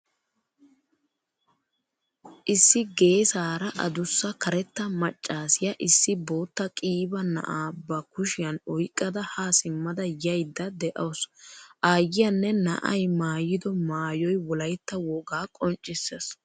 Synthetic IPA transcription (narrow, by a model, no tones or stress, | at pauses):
ʔɪsːɪɡe̞ːsaːɾɐʔɐ̰d̪ʊsːɐkɐɾɛt̪ːɐmɐt͡ʃʼːaːsɪjɐʔɪsːɪbo̞ːt̪ːɐkʼiːbɐnɐ̰ʔaːbːɐkʊʃɪjɐnɔjkʼːɐd̪ɐhaːsɪmːɐd̪ɐjɐjd̪ːɐd̪ɛʔɐːsʔaːjːɪjɐnːɛnɐ̰ʔɐjmaːjɪd̪ɔmaːjɔjwɔlɐjt̪ːɐwɔɡaːkʼɔnt͡ʃʼːɪsːes